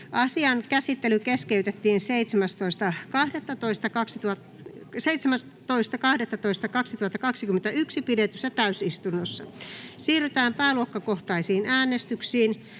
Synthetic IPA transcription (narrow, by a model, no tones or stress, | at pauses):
ʔɑsiɑnkæsit̪ːelykeskeyt̪et̪ːiːnseit̪semæst̪oist̪ɑkɑhdet̪ːɑt̪oist̪ɑkɑksit̪uɑ | seit̪semæs | t̪oist̪ɑkɑhdet̪ːɑt̪oist̪ɑkɑksit̪uhɑt̪ːɑkɑksikymːent̪æyksipidet̪ysːæt̪æysist̪unːosːɑ̰siːryt̪æːmpæːluokːɑkoht̪ɑisiːnʔæːnest̪yksiːn